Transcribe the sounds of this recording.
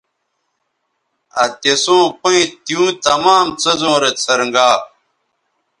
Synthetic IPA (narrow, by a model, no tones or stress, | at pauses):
ɐt̪esõːpõĩt̪iũːt̪ɐmaːmt͡sɐzõːɾet͡sʰɐɾɐŋɡaː